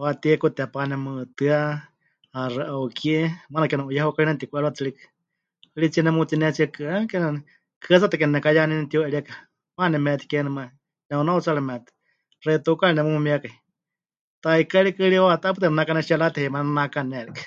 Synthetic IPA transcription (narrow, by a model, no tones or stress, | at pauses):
wat̪iɛkut̪ɛpanɛmɨt̪ɨa | arɨʔaukiɛmanakɛnɛʔujaɦukainat̪ikʷʔɛɺat͡sɨɺikɨ̥ | lit͡siɛnɛmut̪inɛt͡siakɨakɛnɛnɛ | kʰɨat͡sat̪akɛnɛnɛkajanɛnɛt̪ioɛɺiaka | manɛmɛt̪ʰi̥kɛnɛma | nɛunaut͡salɛmɛt̪ɨ̥ | reit̪ukalinɛmumumiakai | t̪aikaɺikɨɺiwat̪apɨt̪ɛnnakanɛʃialat̪hɛmannnakanɛlikɨ̥